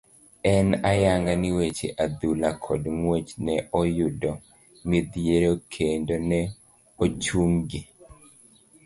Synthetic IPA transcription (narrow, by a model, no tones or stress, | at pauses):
ɛnajaŋɡanɪwet͡ʃḛʔad̪ulakʰɔdŋwet͡ʃnɛʔɔjʊdɔ | mɪd̪jeɾokʰendonɛ | ot͡ʃuŋɡi